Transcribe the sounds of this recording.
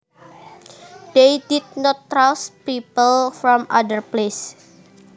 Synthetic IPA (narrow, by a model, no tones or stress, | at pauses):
d̪̥ejdid̪̚nɔt̪ːɾaspipəlfɾɔmʔadərples